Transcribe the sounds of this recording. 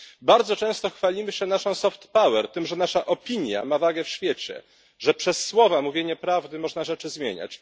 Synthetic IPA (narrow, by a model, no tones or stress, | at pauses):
baɾd̪zɔt͡ʂɛ̃w̃st̪ɔxfalʲimɘɕɛnaʂɔ̃w̃sɔft̪pawɛɾt̪ɘmʐɛnaʂaʔɔpʲiɲja̰mavaɡɛfɕfʲjet͡ɕɛ̰ | ʐɛpʂɛsːwɔvamuvʲjeɲɛpɾavd̪ɘmɔʐnaʐɛt͡ʂɘzmʲjḛɲa̰t͡ɕ